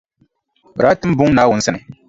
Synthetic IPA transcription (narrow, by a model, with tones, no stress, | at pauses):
ɾa˦tɨ˦m˦bʊ˦ŋ˦na˨˦wʊ˨n̩˦sɨ˦nɨ˨